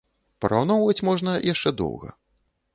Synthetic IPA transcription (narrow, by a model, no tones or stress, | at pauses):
pɾawnɔwvɐt͡sʲmɔʐnɐjaʂt͡ʂɛd̪ɔ̰wɣɐ̰